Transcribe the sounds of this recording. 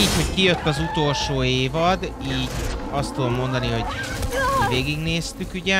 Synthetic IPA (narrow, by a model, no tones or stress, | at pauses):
iːcho̞ckijøt̪ːɒzut̪o̞lʃoːeːvɒd̪iːɟɒst̪ːud̪o̞mːo̞nd̪ɒniɦo̞ɟmiveːɡiɡneːst̪ykyɟɛ